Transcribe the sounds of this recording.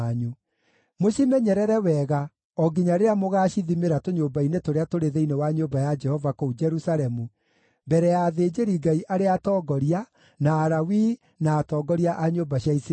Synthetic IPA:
ɲu | moɕimɛɲɛɾɛɾɛwɛɣa | ɔɡiɲaɾeɾamoɣaːɕiðimeɾatoɲoːbainetoɾeatoɾeðeinewaɲoːbajad͡ʒɛhɔvakoud͡ʒɛɾusalɛmu | mbɛɾɛjaːðeːd͡ʑeɾiɡaiʔaɾeatɔːɡɔɾia | naːɾawiː | naːtɔːɡɔɾiaʔaɲoːbaɕiais

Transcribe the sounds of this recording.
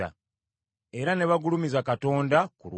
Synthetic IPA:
a̰ | e̞ɾane̞βaɡulumizakato̞ːndakulw

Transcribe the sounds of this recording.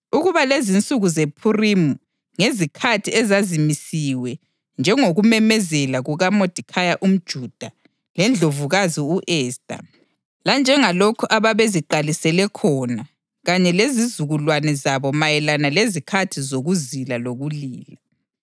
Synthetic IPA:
uɣuβalezint͡sʼuɣuzepʰurimu | ŋezikʰatʰiɛzazimisiwɛ | nd͡ʒʱɛŋoɣumɛmɛzɛlaɣuɣamod̥ʱikʰajaʔum̩d̥ʒ̥ʱud̥ʱa | lɛnd͡ɮʱovuɣaziuʔɛːstʼa̰ | land͡ʒʱɛŋalɔkʰɔʔaβaβeziǃalisɛlɛkʰɔna | ɣaɲɛlezizuɣulwanɛzaβɔmajɛlanalezikʰatʰizoɣuzilaloɣuliːla

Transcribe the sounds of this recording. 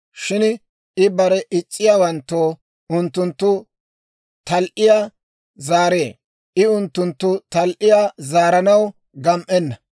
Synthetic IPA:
ʃɪn | ɪbɐɾɛʔɪt͡ʃʼːɪjaːwɐnt̪ːoː | ʊnt̪ːʊnt̪ːʊ | t̪ɐlʔɪjaː | zaːɾe̞ː | ʔɪʊnt̪ːʊnt̪ːʊt̪ɐlʔɪjaːzaːɾɐnɐw | ɡɐmʔɛnːɐ

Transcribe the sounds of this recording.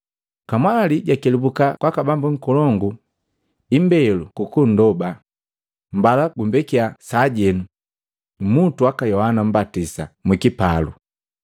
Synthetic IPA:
kamwaliɟakɛlibukakwakabambuŋ̩kɔlɔŋɡu | imbɛlukukun̩dɔba | mbalaɡumbɛkiasaɟɛnu | mutuakajɔhanam̩batisamwikipalṵ

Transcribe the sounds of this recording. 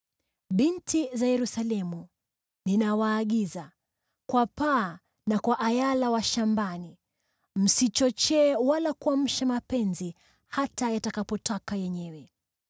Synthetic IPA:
ɓintizajɛɾusalɛmu | ninawaːɠiza | kwapaː | nakwaʔajalawaʃambani | m̩sit͡ʃɔt͡ʃɛːwalakuam̩ʃamapɛnzi | hatajatakapɔtakajɛɲɛwɛ

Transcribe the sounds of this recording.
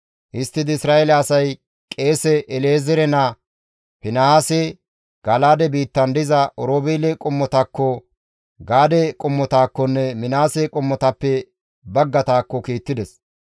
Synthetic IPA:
ʔɪst̪ːɪd̪ɪɪsɾaːelɛɐsɐj | kʼe̞ːsɛʔɛleːzɛɾɛnɐ | pɪnɐhaːse | ɡ̥ɐlaːd̪ɛbiːt̪ːɐnd̪ɪzɐʔɔɾoːbeːlɛkʼʊmːɔt̪akːɔ | ɡaːd̪ɛkʼʊmːɔt̪aːkːɔnːɛmɪnaːsekʼʊmːɔt̪ɐpːɛ | bɐɡːɐt̪aːkːɔkiːt̪ːɪd̪ɛs

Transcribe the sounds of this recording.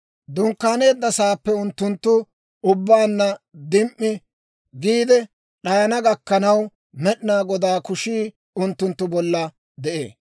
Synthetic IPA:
d̪ʊŋkːaːne̞ːd̪ːɐsaːpːɛʊnt̪ːʊnt̪ːʊ | ʊbːaːnːɐd̪ɪmʔːɪ | ɡiːd̪ɛ | ɗɐjɐnɐɡɐkːɐnɐw | mɛɗnaːɡɔd̪aːkʊʃiː | ʊnt̪ːʊnt̪ːʊbɔlːɐ | d̪ɛʔḛː

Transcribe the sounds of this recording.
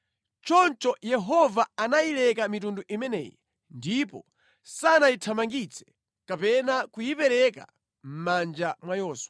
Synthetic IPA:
t͡ʃɔnt͡ʃɔjɛɦɔvaanajilɛkamitunduʔimɛnɛ̰jɛ | ndipɔ | sanajitʰamaŋɡit͡sʰɛ̥ | kapɛnakujipɛɾɛka̰ | m̩mand͡ʒamwajɔːswa

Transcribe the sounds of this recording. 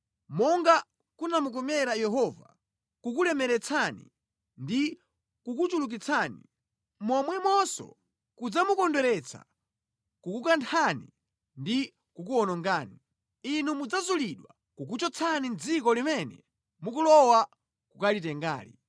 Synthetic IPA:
mɔŋɡa | kunamuk̬ɔmɛɾajɛɦɔva̰ | kukulɛmɛɾɛt͡sʰanḭ | ndi | kukut͡ʃuluk̬it͡sʰaːni | mɔmwɛmɔsɔ̰ | kud͡zamukɔndɔɾɛt͡sʰa̰ | kukukantʰanḭ | ndi | kukuɔnɔŋɡaːni | inumud͡zazuliɗwa̰ | kuk̬ut͡ʃɔt͡sʰanind͡zikɔlimɛnɛ̰ | mukulɔwa | kukalitɛŋɡa̰ːlḭ

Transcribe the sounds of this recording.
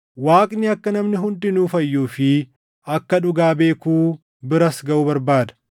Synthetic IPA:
waːkʼnɪɐkːɐnɐmnɪɦʊnd̪ɪnuːfɐjːuːfɪ | ɐkːɐᶑʊɡaːbe̞ːkuː | bɪɾɐsɡɐʔʊbɐɾbaːd̪ɐ̥

